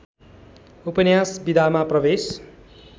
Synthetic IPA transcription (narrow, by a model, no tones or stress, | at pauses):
upʌnjasbid̪ʱamaprʌbes